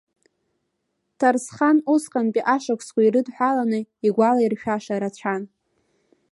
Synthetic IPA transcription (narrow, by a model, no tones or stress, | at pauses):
tʰarsχanusqʼanpʼiʔaʂakʷʰʼskʷʼairɨdħʷᶣalanɨiɡʷalairʃᶣaʂaɾat͡ɕʷʰan